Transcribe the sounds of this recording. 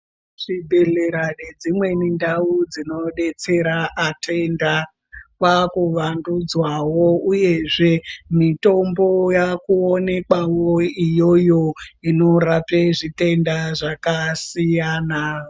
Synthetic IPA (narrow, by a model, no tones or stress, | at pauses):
ʐ̥ibʱe̞ɮe̞ɾaned͡zimwe̞nindaud͡zino̞ɗe̞t͡se̞ɾaʔatʰe̞nda | kwakuʋandud͡zwawo̞uje̞ʐe̞mito̞mbo̞jakuone̞kwawoijo̞jo̞ino̞ɾapeʐite̞ndaʐakasijaːna